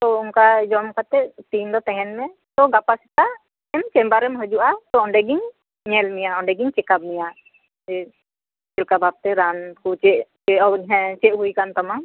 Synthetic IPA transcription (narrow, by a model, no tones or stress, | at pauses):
t̪ɔunkad͡ʒɔmkat̪ɛʔt̪ind̪ɔt̪ɛ̃ɦɛnmɛ | t̪ɔɡapasɛt̪a | ɛmt͡ʃɛmbaɾɛmɦəd͡ʒuʔat̪ɔɔɳɖɛɡiɲ | ɲɛlmijaɔɳɖɛɡiɲt͡ʃɛkab̚mija | d͡ʒɛ | kɛlkabap̚t̪ɛɾankʰut͡ʃɛʔt͡ʃɛɔɾɦɛ̃t͡ʃɛʔɦujkant̪ama